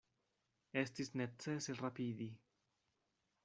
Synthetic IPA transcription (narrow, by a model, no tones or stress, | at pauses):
est̪isnet̪t͡seserapid̪i